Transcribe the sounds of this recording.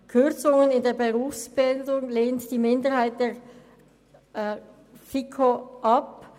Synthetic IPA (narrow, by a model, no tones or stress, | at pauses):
kʰʏʁt͡sʊŋənɪndeːɐbeʁuːfsb̥ɪldʊŋleːntd̥iːmɪndəʁhaɪt̚d̥eː | fikʰoʔɑp